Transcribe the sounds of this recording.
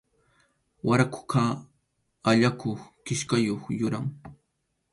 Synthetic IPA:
waɾakʊ̥ka | aʎakoχkɪʃkajoχjʊɾaŋ

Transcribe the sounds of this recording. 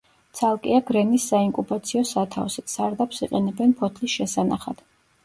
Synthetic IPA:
t̪sʰalˠkʼiaɡɾɛnisːaiŋkʼupʼat̪sʰiɔsat̪ʰa̰fsit̪saɾd̪apsiqʼɛnɛbɛnpʰɔt̪ʰlisʃɛsanaχa̰d̪̥

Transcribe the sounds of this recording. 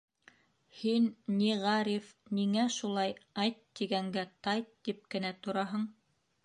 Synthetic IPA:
hinːiʁɑɾifniŋæʃulˠɑjɑjt̪ːiɡæŋɡæt̪ɑjt̪ːip̚kɘ̆næt̪ŏɾɑɦɤɴ

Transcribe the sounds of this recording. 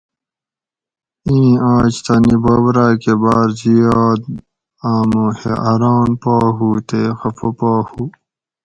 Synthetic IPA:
ĩːãːt͡ɕt̪ɐniboːbɾaːkebaːɾzijaːd̪ | aːmõːhḛʔɐɾaːnpaːɦuːt̪exɐfʰopaːhuː

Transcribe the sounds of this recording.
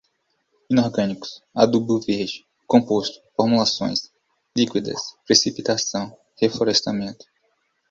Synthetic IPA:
ĩnoɾɡɐ̃nikʊ̥sa̰d̪ubuveɾd͡ʒɪ̥ | kõpost̪ʊ̥foɾmulasõ̰j̃s | likwid̪ɐ̰spɾesipit̪asɐ̃w̃ | hefoɾɛst̪amẽnt̪ʊ̥

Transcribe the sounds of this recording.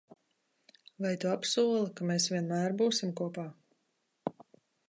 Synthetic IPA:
vajt̪uapsuɔlˠɐkameːsvʲiɛnmæːɾbuːsimkuɔpaː

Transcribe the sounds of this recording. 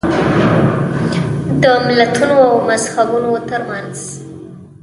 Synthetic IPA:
d̪əmɪlat̪unoawmazhabunot̪əɾmanz̥

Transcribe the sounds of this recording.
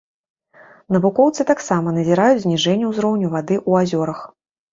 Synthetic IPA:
nɐvukɔwt̪sɨt̪aksamɐnɐzʲiɾajut͡sʲzʲnʲiʐɛnʲːɛwzɾɔwnʲuvad̪ɨʔuazʲɔɾɐx

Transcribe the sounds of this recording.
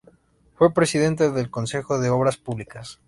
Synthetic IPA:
fwe̞pɾe̞siðe̞nt̪̬eðelko̞nse̞xo̞ðe̞o̞βɾaspuβlikas

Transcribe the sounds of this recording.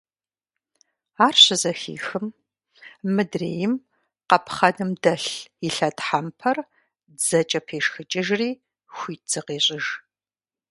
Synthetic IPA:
aːrɕɪzɐxḭːxɨm | mɨdrḛːjɪm | qɐpʰχɐnɨmdɐɬiɬɐtħampʰɐr | zɐt͡ʃʼɐpʰeːʂxɨt͡ʃʼɪʒriː | xʷiːt͡sɨqeːɕʼɪʒ

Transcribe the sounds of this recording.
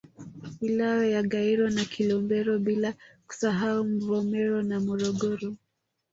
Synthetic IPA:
wilaɔjaɠaiɾɔnakʰilɔmbɛɾɔɓilaku̥saɦaum̩vɔmɛɾɔnamɔɾɔɡɔɾɔ

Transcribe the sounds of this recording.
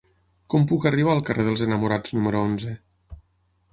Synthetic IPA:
kɔmpukəriβ̞aːlˠkəreð̞əlˠzənəmuɾad͡znuməɾuonzə

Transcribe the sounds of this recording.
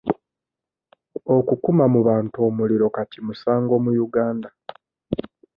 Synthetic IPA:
o̞kukumamuβaːntuo̞muliɾo̞katimusaːŋɡo̞ːmujuɡaːnda

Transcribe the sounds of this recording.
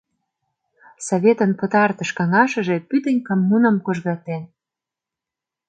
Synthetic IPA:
soβʲet̪ənpət̪ɑrt̪ə̆ʃkɑŋɑʃə̆ʒe̽pyd̪ə̆nʲkomːunə̆mkoʒɣɑt̪en

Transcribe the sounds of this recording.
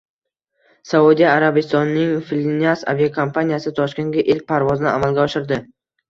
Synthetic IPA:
saud̪ijaaɾabɪst̪ɒnnːɪŋfilʲinʲasa̰vijakʰompʰanijasɪt̪ʰɒʃkʲe̞nɡʲaʔɪlk̚ʲpʰaɾvɒzɪnɪʔamalˠɡʲaɒʃɪɾd̪ɪ

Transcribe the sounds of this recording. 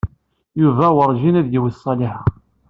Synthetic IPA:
juvæwəɾˤʒinæðjiwəsˤːɑliħæ

